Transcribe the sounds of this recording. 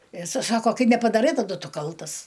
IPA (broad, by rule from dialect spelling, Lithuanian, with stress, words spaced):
ɪ ɪˈsɐɪ ˈsɑːkoː ˈkɐɪ nʲɛpɐdɐˈrɐɪ tɐˈdʊ ˈtʊ ˈkɐlˠtɐs